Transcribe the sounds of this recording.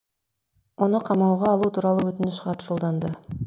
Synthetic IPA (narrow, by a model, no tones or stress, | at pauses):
o̞nʊqʰɑmɑwʁɑːlˠuːt̪ʰuːɾɑlˠəwɵt̪ɪnɪʃqɑt̪ʰʊ̥ʃulˠd̪ɑnd̪ə